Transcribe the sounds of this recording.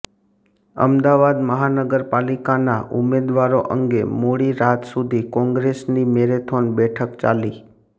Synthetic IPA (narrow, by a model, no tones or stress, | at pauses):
ə̰md̪aʋad̪məɦanəɡəɾpalikanaʔʊmed̪ʋaɾoʔə̰ŋɡemoɽiɾat̪sud̪ʱikɔ̃ŋɡɾesnimeɾet̪ʰonbɛʈʰəkt͡ʃa̰li